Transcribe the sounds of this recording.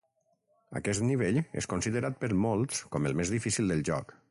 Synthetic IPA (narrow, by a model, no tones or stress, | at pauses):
ə̰kɛst̪niβ̞eʎḛskonsiðəɾat̪̚pəɾmolˠt̪skɔməlˠmezðifisilˠd̪əlˠʒɔ̰k